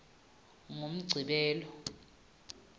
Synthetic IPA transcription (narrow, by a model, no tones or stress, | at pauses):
ŋom̩ɡ͡ǀʱiɓɛːlɔ